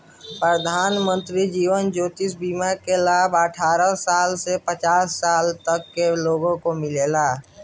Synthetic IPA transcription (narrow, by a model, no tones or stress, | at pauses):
pɾəd̪ʱaːnmə̃nt̪ɾid͡ʒiːʋənd͡ʒoːt̪is̬bimakelaːbəʈʰaːɾəsaːlsepət͡ʃaːsːaːlt̪əkːeloːɡõkomɪleːlaː